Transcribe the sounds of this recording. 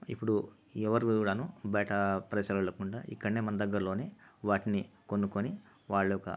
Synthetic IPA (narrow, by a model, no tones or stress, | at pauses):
ḭpːuɽu | ɛʋɐɾɭɐnubɐjʈɐpɾɐsɐɾɐlɐkuɳɖa̰ːʔḭkːɐɽɐneːmɐnd̪ɐɡːɐɾlo̞ːne̞ːʋaːʈinikonːukoni | ʋaːɭːɐjɔkɐ̰